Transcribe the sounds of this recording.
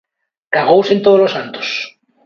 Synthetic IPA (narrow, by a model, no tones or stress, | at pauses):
kaɣ̞owsent̪oðolosant̪o̥s